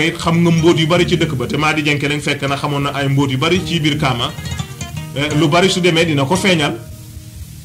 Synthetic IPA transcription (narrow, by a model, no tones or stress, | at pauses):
itxɐmŋɡɐmboːt̬jibɐɾit͡ʃidəkːbɐtɛmaːdid͡ʒɛŋkɛlɛŋfɛkːɐnɐxɐmɔnːɐʔajmboːt̬ibaɾit͡ʃibiɾkaːma | lubaɾisudɛmɛdinɐkɔfɛɲɐl